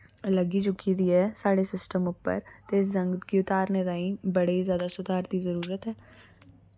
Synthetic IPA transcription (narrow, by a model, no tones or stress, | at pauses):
lɐɡid͡ʒʊkʰːid̪iɦɛːsaːɽesɪsʈəmʊpːə̰ɾt̪eɪsd͡ʒɐ̃ŋɡkiʊt̪aːɾned̪aːĩbɐɽezjaːd̪asʊd̪ʱaːɾt̪izɐɾuːɾət̪ɦɛː